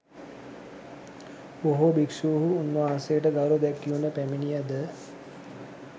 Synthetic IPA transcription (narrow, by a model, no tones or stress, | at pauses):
oɦobiksuːɦuːnʋaːsejəʈəɡaɾod̪ɛkːiunəpæminijɛd̪ə